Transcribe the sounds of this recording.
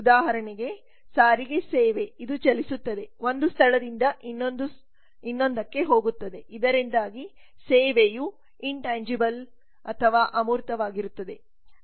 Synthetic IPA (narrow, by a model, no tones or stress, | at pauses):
ud̪aːɦɐɾɐɳiɡe̞ | saːɾiɡe̞seːʋe̞id̪ut͡ʃɐlisut̪ːɐd̪e̞ʋo̞nd̪ust̪ʰɐɭɐd̪ind̪ɐʔinːond̪u | inːo̞nd̪ɐkːe̞ɦo̞ːɡut̪ːɐd̪e̞ʔid̪ɐɾind̪aːɡi | seːʋeju | iɳʈaːɲd͡ʒibɐl | ɐt̪ʰɐʋaːʔɐmuːɾt̪ɐʋaːɡiɾut̪ːɐd̪e̞